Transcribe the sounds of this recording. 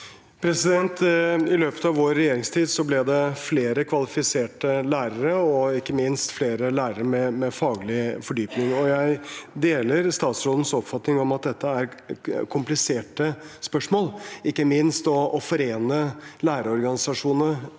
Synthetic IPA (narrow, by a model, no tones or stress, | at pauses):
pʰɾɛsɪd̪ɛnt̪ɪløːpə̥t̪ɑʋoːɾːɛjeːɾɪŋst̪ʰiːd̪sɔblɛd̪ɛfleːɾəkʰʋɑlɪfɪseːʈəlæːɾəɾəɔɪkːəmɪnst̪fleːɾəlæːɾəɾəmɛmɛfɑːɡlɪfɔɖyːpnɪŋɔjæɪd̪eːləɾst̪ɑːt̪sɾoːd̪ən̩sɔpfɑt̪nɪŋɔmɑt̪̚d̪ɛt̪ːəæɾkʰʊmplɪseːʈəspœʂmoːlɪkːəmɪnst̪ɔːfɔɾeːnəlæːɾəɔɾɡɑnɪsɑʂuːnə